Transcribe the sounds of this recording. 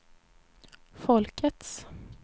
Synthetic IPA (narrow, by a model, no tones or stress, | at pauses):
fɔlkʰət̪s